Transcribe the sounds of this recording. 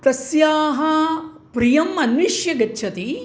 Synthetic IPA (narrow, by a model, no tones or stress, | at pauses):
t̪ɐsjaːɦɐpɾijɐmɐnʋiʃjɐɡɐtːt͡ʃʰɐt̪i